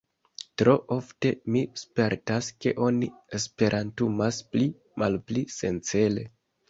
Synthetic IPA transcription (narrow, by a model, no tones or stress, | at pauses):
tɾo̞ʔo̞fte̞mispe̞ɾtaske̞ʔo̞niespe̞ɾʔantumaspli | malplise̞nt͡sele̞̰